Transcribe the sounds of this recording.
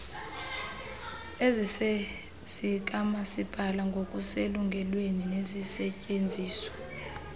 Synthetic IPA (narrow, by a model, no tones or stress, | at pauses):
ezise | z̥ik̬ʼamasib̥ʱalaŋɡʱokʼuseluŋɡʱɛlweninezisɛcʼend͡zʱiːswḁ